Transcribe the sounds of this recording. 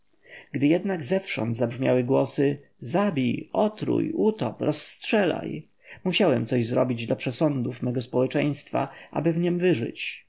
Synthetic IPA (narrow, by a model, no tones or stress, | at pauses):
ɡd̪ɘjɛd̪naɡzɛfʂɔ̰̃nd̪zabʐmʲjawɘɡwɔsɘ | zabʲijɔt̪ɾṵjut̪ɔ̰pɾʔɔsːtʂɛla̰j | muɕawɛmt̪sɔʑzɾɔbʲid͡ʑd̪lapʂɛsɔnd̪ufmɛɡɔspɔwɛt͡ʂɛj̃st̪fa̰ʔa̰bɘvɲɛmvɘʐɘ̰t͡ɕ